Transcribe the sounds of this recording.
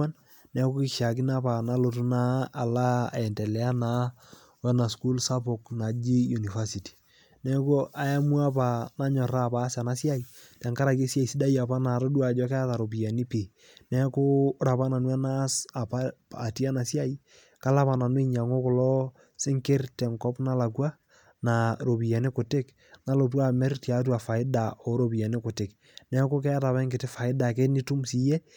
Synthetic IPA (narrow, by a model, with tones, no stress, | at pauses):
a˦n | nɛ˦kʊ˦kɪ˦˨ʃja˨k̬i˦na˦pa˨na˦lo˨tu˦naː˦˨la˦˨ɛ˨ntɛ˨lɛ˨˦a˦na˨˦ | wɛ˦na˨sku˦lsa˦po˨kna˨d͡ʒi˦ju˨ni˨fa˦si˨ti̥˨ | nɛ˦ko˦ʔa˨ja˦mu˦a˦p̬a˨na˦ɲɔ˨ɾa˦˨pa˦sa˨na˦sja˦i˨ | tɛ˨ŋka˦ɾa˨ke˦sja˦˨i˨si˦da˦ja˨pa˦na˨ɾo˦du˦a˨d͡ʒɔ˦kɛ˦a˦ta˨ɾo˨p̬i˨ja˨ni˦pi˨ | nɛ˦kʊ˦ɾa˨pa˦na˨nwa˦na˦sa˨pa˦a˨ti˦a˦na˨si˦a˦i˦ | ka˦la˦pa˨na˨nwi˦ɲa˨ŋo˦ko˨lɔ˦ | sɪ˦ŋke˦rtɛ˨ŋkɔ˦pna˦la˨k̬wa˦ | na˨ɾo˨bi˨jɛ˨ne˦kʊ˨tɪ˦k | na˦lo˨t̬wa˨mɛ˦rti˨a˨˦t̬wa˨fa˨ɪ˦da˨ɔ˨ɾo˦bi˨jɛ˨nɪ˦kʊ˨tɪ˨k | nɛ˦ko˦k̬ɛ˦a˦ta˨pɛ˦ŋɡɪ˨tɪ˦fa˨ɪ˦da˨ke˦ni˦tu˦msi˨je˦